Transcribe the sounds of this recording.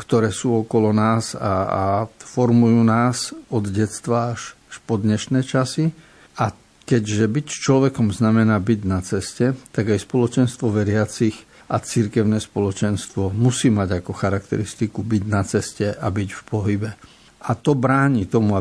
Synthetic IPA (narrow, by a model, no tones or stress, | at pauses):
kt̪ɔɾɛːsuːɔkɔlɔnaːza̰a̰fɔɾmujuːnaːzɔd̪ɟɛt̪st̪ʋaːʃ | ʃpɔd̪ɲɛʃnɛːt͡ʃasi | ʔa | kɛɟʒɛbict͡ʃlɔʋɛkɔmznamɛnaːbiɟnat͡sɛscɛt̪aɡajspɔlɔt͡ʃɛnst̪ʋɔʋɛɾɪat͡six | ʔat͡siɾkɛʊnɛːspɔlɔt͡ʃɛnst̪ʋɔmusiːmaɟakɔxaɾakt̪ɛ̰ɾist̪ikubiɟnat͡sɛscɛabiɟfpɔɦibɛ | ʔat̪ɔbɾaːɲiːt̪ɔmua